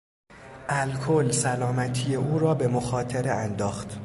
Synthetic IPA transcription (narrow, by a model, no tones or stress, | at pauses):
ʔælkʰolsælɒːmæt̪ʰije̞ʔuːɾɒːbe̞moxɒːt̪ʰeɾeænd̪ɒːxt̪